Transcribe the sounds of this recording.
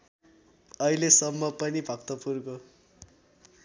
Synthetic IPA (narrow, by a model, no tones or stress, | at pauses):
ʌilesʌmːʌpʌnibʱʌkt̪ʌpurko